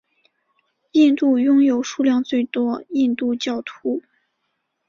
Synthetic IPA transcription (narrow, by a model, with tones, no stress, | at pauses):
i˥˧nt̪u˥˩jʊ˥ŋjo˨˩ʊʂu˥˧ljɑ˥˧ŋt͡swe˥˩ɪt̪wɔ˥i˥˧nt̪u˥˧t͡ɕjɑ˥˩ʊt̪ʰu˥